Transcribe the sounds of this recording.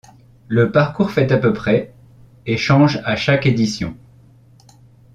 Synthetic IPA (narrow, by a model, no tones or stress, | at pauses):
ləpaʁkuʁfɛt̪apøpχɛ | eʃɑ̃ʒaʃaked̪isjɔ̰̃